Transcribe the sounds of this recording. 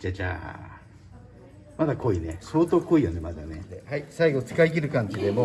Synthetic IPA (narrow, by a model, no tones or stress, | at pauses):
d͡ʑad͡ʑa̰ː | mad̪akʰo̞ineso̞ːt̪o̞ːko̞ijo̞nemad̪aneehaisaiɡo̞t͡sɨ̥kaiɡʲiɾɯ̟kãɲtid̪e̞mo